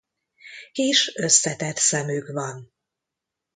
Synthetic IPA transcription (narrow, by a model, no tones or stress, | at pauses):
eːʃøsːɛt̪ɛt̪sɛmyːkvɒn